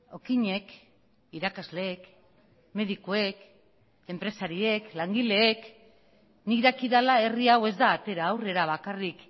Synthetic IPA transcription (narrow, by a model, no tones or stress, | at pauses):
o̞kiɲe̞k | iɾakazle̞ːk | me̞ðikoek | e̞mpɾe̞saɾie̞klaŋɡile̞ːk | nikd̪akiðalae̞riawe̞zd̪aːt̪e̞ɾaːwre̞ɾaβ̞akarik